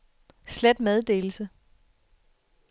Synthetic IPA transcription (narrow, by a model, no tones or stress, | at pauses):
slæd̥með̞ˠd̥e̝̰ːl̩sə